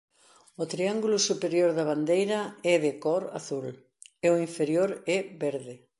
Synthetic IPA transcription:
ʊt̪ɾiaŋɡulʊsupeɾjoɾðɐβ̞and̪ejɾɐɛðɪkɔɾa̰θul | eoiɱfeɾjoɾɛbeɾðɪ

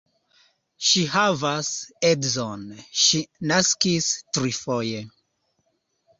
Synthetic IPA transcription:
ʃiɦavasedzonʃinaskistɾifoje

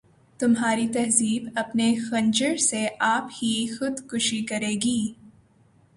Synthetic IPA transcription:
t̪ʊmɦaːɾit̪ɐɦziːbɐpnexɐ̃ɲd͡ʒəɾseʔaːphixʊd̪xʊʃikɐɾeːɡiː

